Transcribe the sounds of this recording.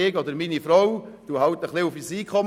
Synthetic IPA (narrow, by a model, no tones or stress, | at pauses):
eːɡɔd̪əɾmiːnifɾowd̥uhɑwtəχliʊfisiːkχɔm